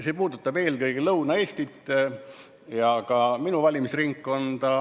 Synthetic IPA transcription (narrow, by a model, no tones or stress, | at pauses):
se̞ːpuːd̪̥ut̪ːˑɑbe̞ːlkɤjɡelɤwnɑe̞ːsʲt̪it̪ː | jɑkɑminuvɑlʲimisriŋkːˑo̞nt̪ɑ